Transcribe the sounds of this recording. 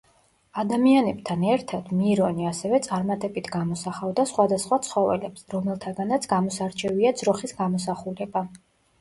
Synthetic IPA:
ad̪amianɛb̚t̪ʰanɛɾt̪ʰad̪miɾɔniasɛvɛt̪sʼaɾmat̪ʼɛbit̪ʰɡamɔsaχavd̪asχwad̪asχwat̪sʰχɔvɛ̰lɛpsɾɔmɛlˠt̪ʰaɡanat̪sʰɡamɔsaɾt͡ʃʰɛviad̪zɾɔχisɡamɔsaχuɾɛba

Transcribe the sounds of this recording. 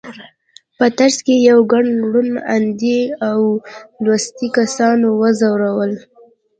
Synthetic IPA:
pət̪aɾskejawɡaɳɽuna̰nd̪iawlwast̪ikasɑnowəzawɾawəl

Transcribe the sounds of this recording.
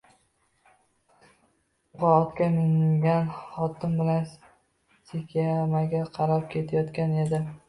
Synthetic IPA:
qɒɒt̪kʲamɪŋɡʲanχɒt̪ʰɪmbɪlan | sekʲʰamaɡʲaqʰɑɾɒp̚kʲʰe̞t̪ʰajɒt̪kʲane̞d̪ɪ

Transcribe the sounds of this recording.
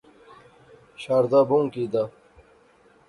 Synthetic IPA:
ɕaːɾd̪aːbũŋkid̪a

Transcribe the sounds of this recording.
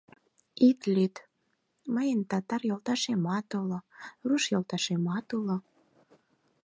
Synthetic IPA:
it̪lyt̪ | məjənt̪ɑt̪ɑrjolt̪ɑʃemɑt̪oloruʃjolt̪ɑʃemɑt̪ulŏ

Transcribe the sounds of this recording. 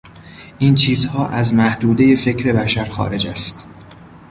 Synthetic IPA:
ʔiːnt͡ʃʰiːzhɒːʔæzmæhd̪uːd̪e̞je̞fe̞cʰɾe̞bæʃæɾxɒ̰ːɾe̞d͡ʒæst̪

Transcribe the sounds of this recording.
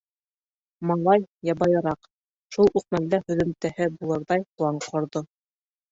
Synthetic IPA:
mɑlˠɑjjɑbɑjɤ̆ɾɑq | ʃulˠʉq̚mæld̪æhɵ̆ðɵ̆mt̪æhɘbulˠɤ̆ɾðɑjqlˠɑɴqʰŏɾðo

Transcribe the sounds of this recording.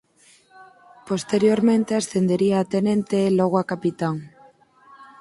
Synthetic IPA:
post̪eɾjoɾmẽnt̪easθend̪eɾiaːt̪enẽnt̪eloɣoakapit̪aŋ

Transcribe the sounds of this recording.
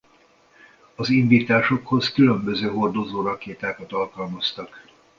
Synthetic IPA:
ɒziɱviːt̪aːʃo̞kho̞skylømbø̞zøːɦo̞rd̪o̞zoːrɒkeːt̪aːkɒt̪ɒlkɒlmɒst̪ɒk

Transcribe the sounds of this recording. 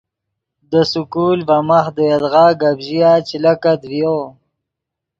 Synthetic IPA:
d̪əsukuːlvamaxd̪əjad̪ʁaːɡabʑijat͡ʃilakad̪vjo

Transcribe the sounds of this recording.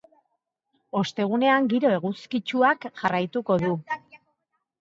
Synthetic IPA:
o̞st̪e̞ɣ̞une̞aŋɡiɾo̞e̞ɣ̞uskit͡ʃuakʝarajt̪uko̞ðu

